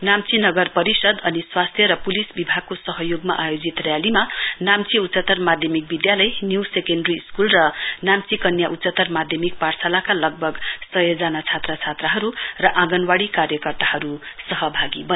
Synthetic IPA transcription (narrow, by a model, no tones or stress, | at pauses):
namt͡sinʌɡʌrpʌɾisʌd̪ʌniswast̪ʰjʌɾʌpulisbibʱaɡ̚kosʌɦʌjoɡmaʔajod͡zit̪rjalimanamt͡siut̪ːt͡sʌt̪ʌrmad̪ʱjʌmik̚bid̪jalʌjnjuwsekenɖriskulrʌnamt͡sikʌnjaʔut̪t͡sʌt̪ʌrmad̪ʱjʌmik̚part͡sʰalakalʌɡ̚bʱʌɡsʌjʌd͡zanat͡sʰat̪rʌt͡sʰat̪rʌɦʌɾurʌʔãɡʌnwaɽikaɾjʌkʌrt̪aɦʌɾusʌɦʌbʱaɡibʌ